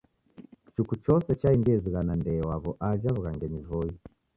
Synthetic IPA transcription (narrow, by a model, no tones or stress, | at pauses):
t͡ʃukut͡ʃɔsɛt͡ʃaiŋɡɛziɣanandɛːwaβɔʔad͡ʒaβuɣaŋɡɛɲivɔi